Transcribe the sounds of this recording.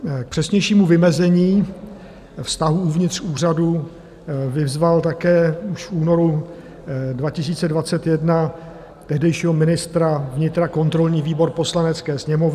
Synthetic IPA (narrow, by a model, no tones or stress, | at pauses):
k̚pr̝̥ɛsɲɛjʃiːmuvɪmɛzɛɲiː | fst̪aɦuuvɲɪt̪r̥uːr̝adu | vɪvzvalt̪akɛːuʃfʔuːno̞ɾu | dvacɪs̬iːt͡sɛdvat͡sɛt̪jɛdna | t̪ɛɦdɛjʃiːɦo̞mɪnɪst̪ɾavɲɪt̪ɾako̞nt̪ɾo̞lɲiːviːbo̞ɾpo̞slanɛt͡skɛːsɲɛmovɪ